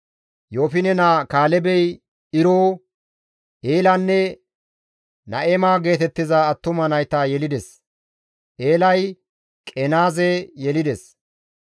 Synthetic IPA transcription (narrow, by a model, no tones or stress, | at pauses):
jo̞ːfɪnɛnaːkaːlɛbɛj | ɪɾoː | ʔeːlɐnːɛ | nɐ̰ʔemaːɡe̞ːt̪ɛt̪ːɪzɐːt̪ːʊmɐnɐjt̪ɐjɛlɪd̪ɛs | ʔe̞ːlɐj | kʼɛnaːzɛjɛlɪd̪ɛs